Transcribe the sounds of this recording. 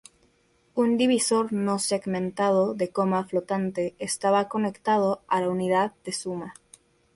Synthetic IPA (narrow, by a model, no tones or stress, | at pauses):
und̪iβiso̞ɾnoseɣmẽnt̪að̞oðe̞komaflot̪ant̪eːst̪aβako̞ne̞kt̪að̞oalauniðað̚d̪e̞suma